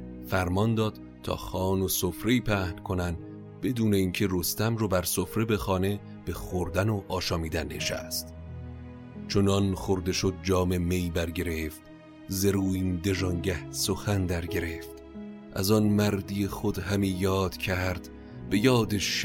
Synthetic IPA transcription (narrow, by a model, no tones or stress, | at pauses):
fæɾmɒnd̪ɒːd̪̥ | t̪ʰɒ̰ːxɒːnosofɾeiːpʰæhnkʰonæn | b̥e̞d̪uːne̞iːŋcʰe̞rost̪æmɾobæɾsofɾe̞be̞xɒːne̞ | b̥e̞xoɾd̪ænoʔɒːʃɒːmiːd̪ænːḛʃæ̰st̪ | t͡ʃʰonɒnxoɾd̪e̞ʃod̪̚d͡ʒɒːme̞mejbæɾɟe̞ɾeft̪ | zeɾuːiːnd̪eʒɒŋɟæhsoxænd̪æɾɡe̞ɾeːft̪ | ʔæ̰zɒnmæɾd̪ijexod̪hæmiːjɒːd̪̥cʰæɾd̪̥ | be̞jɒːd̪eʃ